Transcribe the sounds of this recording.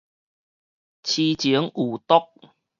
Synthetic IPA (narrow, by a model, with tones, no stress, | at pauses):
t͡ɕʰi˧t͡ɕi˨˦əŋu˨˩t̪ɔ˦˥k̚